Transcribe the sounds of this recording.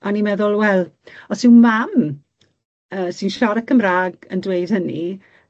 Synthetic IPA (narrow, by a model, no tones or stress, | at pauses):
ʔanimɛðʊlˠwɛlˠɔsɪwmam | əːsinʃɔɾəkʰəmraːɡəndwejd̥həni